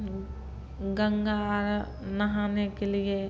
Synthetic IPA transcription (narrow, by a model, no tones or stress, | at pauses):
ɡəŋɡaːɾ | nɐɦaːnekelije